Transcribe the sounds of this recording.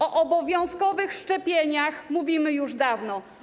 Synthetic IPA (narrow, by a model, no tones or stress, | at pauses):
ɔʔɔbɔvʲjɔ̃w̃skɔvɘxʂt͡ʂɛpʲjeɲaxmuvʲimɘjuʐd̪avnɔ